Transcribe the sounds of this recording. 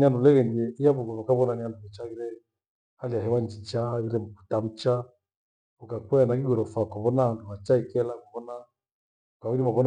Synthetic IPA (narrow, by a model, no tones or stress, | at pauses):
andulɛɣɛnɛiaβuɡɔnɔkaβɔnananduβɛt͡ʃaɣiɾɛ | haliaɦɛwand͡ʒit͡ʃaβiɾɛm̩ku̥tam̩t͡ʃa | ukakwɛnakiɡɔɾɔfakaβɔnahanduhat͡ʃaikɛlakaβɔna | ukaβiɾimaβɔn